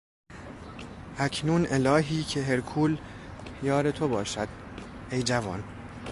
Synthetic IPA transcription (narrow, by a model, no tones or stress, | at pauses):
ʔæcʰnuːnʔe̞lɒːɦiːcʰeɦe̞ɾkʰuːl | jɒːɾe̞t̪ʰobɒːʃæd̪̥̚ | ejd͡ʒævɒ̰ːn